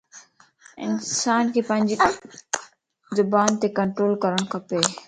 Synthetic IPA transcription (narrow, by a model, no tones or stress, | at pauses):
ɪ̰nsaːnkʰeːpə̃ɪ̃ɲʲd͡ʒi | zʊbaːnt̪eːkəɳʈɾoːlkəɾəɽ̃kʰɐpeː